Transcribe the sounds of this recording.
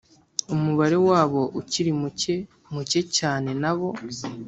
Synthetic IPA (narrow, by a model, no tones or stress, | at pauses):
umuβaɾe̞waːβo̞ʔuciɾimuce | muce̞caːne̞naβo̞